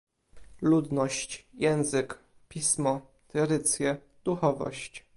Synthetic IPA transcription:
lud̪nɔɕt͡ɕjɛ̃w̃zɘk | pʲismɔ | t̪ɾɛɾɘt̪sʲjɛ | d̪uxɔvɔ̰ɕt͡ɕ

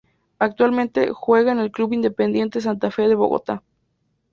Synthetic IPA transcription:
ak̚t̪ualment̪ḛxweɣanelkluβind̪epend̪jent̪es̬ant̪afeðeβo̰ɣo̰t̪a

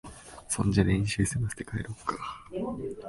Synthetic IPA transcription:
sõ̞ɲd͡ʑaɾẽɲ̃ɕɨːsemasɨ̥t̪ekaeɾokːḁ

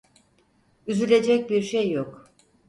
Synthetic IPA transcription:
yzylʲe̞d͡ʒɛc̚biɾʃejːok

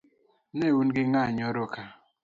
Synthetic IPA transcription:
neunɡɪŋaɲɔɾokʰa

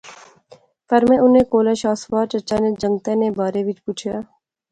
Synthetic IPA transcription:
pəɾmẽʊnẽːkoːlaːʃaːsʋaːɾt͡ʃət͡ʃaːned͡ʒə̃ŋɡt̪ẽːnebaːɾeʋɪt͡ʃpuːt͡ʃʰjaː

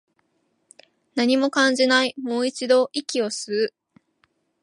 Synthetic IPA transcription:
naɲ̟imo̞kãɲ̟d͡ʑinaimo̞ːit͡ɕid̪o̞ʔikʲio̞sɨɯ

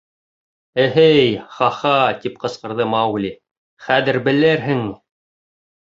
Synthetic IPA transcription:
ɘ̆ɦɘjχɑχɑt̪ipqɤ̆sqɤ̆ɾðɤmɑwlʲi | χæðɘ̆ɾbɘ̆lɘɾɦɘ̆ŋi

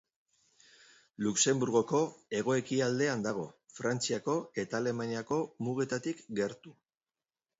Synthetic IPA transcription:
lukse̞mbuɾɣo̞ko̞e̞ɣ̞o̞e̞kiald̪e̞and̪aɣ̞o̞fɾant͡siako̞e̞t̪aːle̞maniako̞muɣe̞t̪at̪ikɡe̞ɾt̪u

